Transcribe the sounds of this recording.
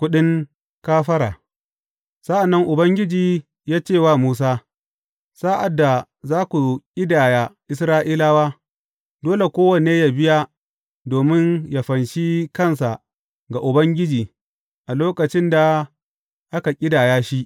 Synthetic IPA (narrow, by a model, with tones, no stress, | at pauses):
kʷʊ˦ɗɪ˦ŋ | kaː˦ɸɐ˦ɾaː˨ | sa˦ʔa˨nːɐ˦ŋʔʊ˨bɐ˦ŋɡʲɪ˦d͡ʒiː˨ | jaː˦t͡ʃeː˦˨waː˦˨muː˦s̬aː˦ | sa˦ʔa˨dːa˨ | zaː˦kʷu˨kʲʼɪ˦daː˨ja˨ʔɪ˦s̬ɾaː˦ʔiː˦la˦waː˦ | doː˦le˨kʷoː˦wɐ˨neː˦ja˨bɪ˦ja˦ | doː˨mɪ˦nja˨ɸɐ˨nʃi˦kɐ˦˨ns̬a˨ | ɡa˨ʔʊ˨bɐ˦ŋɡʲɪ˦d͡ʒiː˨ | ʔa˨loː˦kɐ˨t͡ʃɪ˦nda˨ | ʔa˦ka˨kʲʼɪ˦daː˨jaː˦ʃi˦ʔ